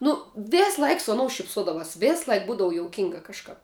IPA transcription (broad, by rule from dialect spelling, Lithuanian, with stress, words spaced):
nʊ ˈʋʲeːsˌlˠɐɪk sʊ ɐˈnoːʊ ʃʲɪpˈsoːdɐʋɑːs ˈʋʲeːs ˈlˠɐɪk ˈbuːdɐʋʊ joːʊˈkʲɪŋɡɐ kɐʃˈkɐp